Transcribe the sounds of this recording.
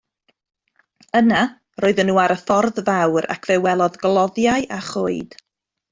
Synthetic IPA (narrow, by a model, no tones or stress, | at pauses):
əna | roːɨðənːuːaɾəθɔrðvawɾa̰kʰv̥ɛwɛlˠɔðɡlˠɔðjaɨʔaχoɨd̥